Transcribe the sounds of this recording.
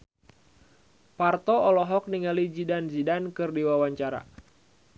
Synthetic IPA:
part̪ɔɔlɔɦɔk̚niŋalid͡ʒidanzidankɨrdiwawaɲt͡ʃaɾa̰

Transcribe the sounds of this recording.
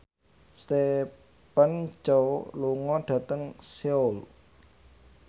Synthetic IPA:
st̪e | pant͡ʃowluŋɔɖ̥ä̤t̪əŋseul

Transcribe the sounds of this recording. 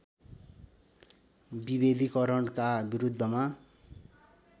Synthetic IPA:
bibed̪ʱikʌɾʌɳkabiɾud̪ʱːʌma

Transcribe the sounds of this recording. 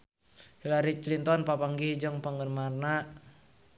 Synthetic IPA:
hilaɾit͡ʃlint̪ɔnpapaŋɡihd͡ʒɔŋpaŋɡənmarna

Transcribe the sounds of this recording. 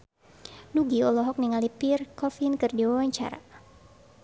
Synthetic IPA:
nuɡiɔlɔɦɔk̚niŋalipirkɔfinkɨrdiwawaɲt͡ʃa̰ɾa̰

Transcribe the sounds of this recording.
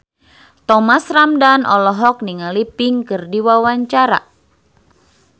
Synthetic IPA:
t̪ɔmasramdanʔɔ̰lɔɦɔk̚niŋalipiŋkɨrdiwawaɲt͡ʃaɾa̰

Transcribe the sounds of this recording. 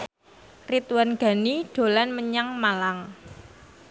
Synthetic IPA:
rit̪wanɡ̥a̤niɖ̥o̤lanməɲaŋmalaŋ

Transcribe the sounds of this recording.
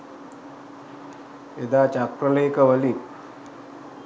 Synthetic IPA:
ed̪aːt͡ʃakɾɐleːkɐʋəli

